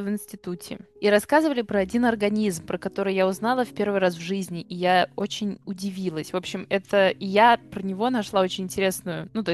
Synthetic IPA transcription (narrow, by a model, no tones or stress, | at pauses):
vɨnsʲtʲɪt̪utʲɪ̰ | iɾɐskazɨvəlʲɪpɾəɐdʲinɐrɡɐnʲizmpɾəkɐt̪o̞ɾɨjjaʊznalˠəfpʲe̞rvɨɾasvʐɨzʲnʲɪʔɪjaot͡ɕɪnʲʊdʲɪvʲilˠəsʲvo̞pɕːɪmɛt̪əɪjapɾənʲɪvo̞nɐʂlˠao̞t͡ɕɪnʲɪnʲtʲɪɾʲe̞snʊjʊnut̪o